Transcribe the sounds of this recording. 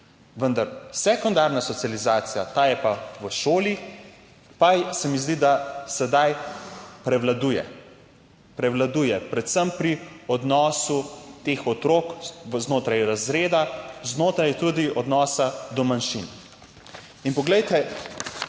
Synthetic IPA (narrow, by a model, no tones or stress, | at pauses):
ʋənd̪aɾsɛkɔnd̪aɾnasɔt̪sializaːt̪sijat̪aːjɛpaʋəʃoːli | pajsɛmizd̪id̪asɛd̪ajpɾɛʋlad̪ujɛ̰ | pɾɛʋlad̪uːjɛpɾɛt̪səmpɾiɔd̪nɔːsut̪eːxɔt̪ɾoːkznoːt̪ɾajɾazɾeːd̪aznoːt̪ɾajt̪ud̪iɔd̪nɔːsad̪ɔmanʃin | inpɔɡlɛjt̪ɛ